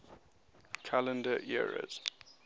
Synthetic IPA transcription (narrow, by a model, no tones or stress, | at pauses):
kʰalə̃ndəʔiɹə̰z̥